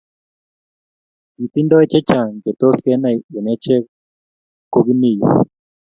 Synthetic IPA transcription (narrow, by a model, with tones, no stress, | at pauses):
ti˨t̪i˦ndɔ˦ɛ˦t͡ʃɛ˦t͡ʃa˨ŋɡe˨t̪o˦skɛ˦na˨e˨nɛ˦t͡ʃɛ˦ | ko˦ɡi˦ni˦˨jḭ˨